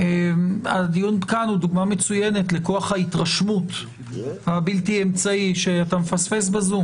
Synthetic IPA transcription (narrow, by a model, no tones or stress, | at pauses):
emadijunbkanhuduɡmame̞t͡sujene̞tle̞ko̞aχhaitʁaʃmut | habiltiemt͡saiʃeatamefasfe̞s̬bazum